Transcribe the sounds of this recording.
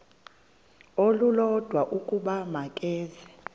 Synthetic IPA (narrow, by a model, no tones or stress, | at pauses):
olulɔd̥ʱwaʔukʼuɓamakʼɛːzɛ